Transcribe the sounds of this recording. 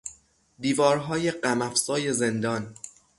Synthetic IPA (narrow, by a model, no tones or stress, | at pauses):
d̪iːvɒːɾɦɒːje̞ɢæmæfsɒːje̞zend̪ɒːn